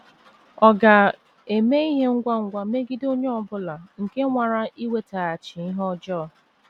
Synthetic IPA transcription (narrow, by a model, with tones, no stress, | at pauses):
ɔ˨ɡa˨ | e˨me˦i˦ɦe˦ŋ̩˦ɡʷa˦ŋ̩˦ɡʷa˦me˦ɡi˦do˦ɲe˦ɔ˦bʊ˦la˨ŋ̩˨ke˦ŋʷa˨ɾa˦ʔi˦we˦ta˨a˨t͡ʃɪ˨i˦ɦɔ˦d͡ʒɔ˦˨